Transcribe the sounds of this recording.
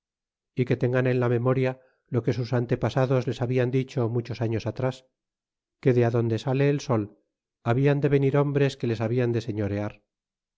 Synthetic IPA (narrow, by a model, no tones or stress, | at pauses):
ike̞t̪e̞ŋɡane̞nlame̞mo̞ɾja | lo̞ke̞susant̪e̞pasaðo̞zle̞saβiand̪it͡ʃo̞mut͡ʃo̞saɲo̞sat̪ɾas | ke̞ðeaðo̞nd̪e̞sale̞ːlso̞l | aβiand̪e̞βe̞niɾo̞mbɾe̞ske̞le̞saβiand̪e̞se̞ɲo̞ɾe̞aɾ